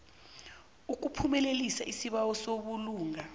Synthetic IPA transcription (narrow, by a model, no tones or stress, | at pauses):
uk̬upʰumɛlelisaʔisiɓawɔsoɓuluːŋa